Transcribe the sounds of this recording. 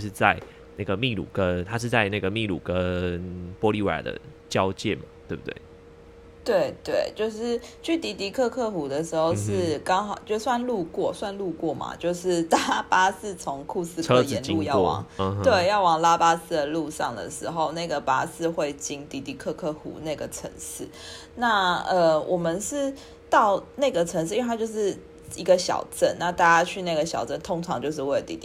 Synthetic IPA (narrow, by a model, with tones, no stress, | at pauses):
ʂɻ̩˥˧t͡sa˥˧ɪ | na˥˩ɡə˩mi˥˧lṵ˨˩kə˦nt̪ʰa˥ʂɻ̩˥˧t͡sa˥˧ɪna˥˩ɡə˩mi˥˨lṵ˨˩kə˦npwɔ˥li˥˩wa̰˨˩d̪ə̰˦t͡ɕjɑ˦˥ʊt͡ɕjɛ̰˥˩nma˨˩t̪we˥˩bu˨˩t̪wḛ˥˩ɪ | t̪we˥˩ɪt̪we˥˩ɪt͡ɕjo˥˧ʊʂɻ̩˥˩t͡ɕʰy˥˩t̪i˧˥t̪i˧˥kʰɤ˥˧kʰɤ˥˧˩xu˨˥d̪ə˨ʂɻ̩˧˥xo˥˧ʊʂɻ̩˥˩kɑ˥ŋxɑ˨˩ʊt͡ɕjo˥˩ʊswa˥˧nlu˥˧kwɔ˥˩swa˥˧nlu˥˧kwɔ˥˩ma̰˩t͡ɕjo˥˧ʊʂɻ̩˥˩t̪a˥pa˥s̩˥˩t͡sʰo˧˦ŋkʰu˥˧sɹ̩ʰ˥˧ə˦˥jɛ˧˦ni˥u˥˧jɑ˥˩ʊ˨ww̰ŋt̪we˥˩ɪjɑ˥˩ʊwɑ˨˩ŋla˦˥pa˥sɹ̩˥˩d̪ə˩lu˥˧ʂɑ˥˨ŋd̪ə̰˩ʂɻ̩˧˥xo˥˧ʊna˥˩ɪɡə˩pa˥sɹ̩˥˧xwe˥˩ɪt͡ɕi˥ŋt̪i˧˥t̪i˧˩kʰɤ˥˧kʰɤ˥˩xṵ˧˥na˥˩ɪɡə˩ʈ͡ʂʰə̰˧˥ŋʂɻ̩˥˩ | na˥˩ə˨wʔɔ˨˩mə˨˦nʂɻ̩˥˩ | t̪ɑ˥˩ʊna˥˩ɪɡə˩ʈ͡ʂʰə˧ŋʂ̬̩ʰ˥˧˥a˥t͡ɕjo˥˧ʊʂɻ̩˥˩ | i˧˥ɡə˧ɕjɑ̰˨˩ʊʈ͡ʂə˥˩nna˥˧t̪a˥˧t͡ɕa˥t͡ɕʰy˥˧na˥˩ɡə˩ɕjɑ˨˩ʊʈ͡ʂə˥˩nt̪ʰo˥ŋʈ͡ʂʰɑ˧˦ŋt͡ɕjo˥˧ʊʂ̬ɻ̩˥wt̪ḭ˧t̪i˧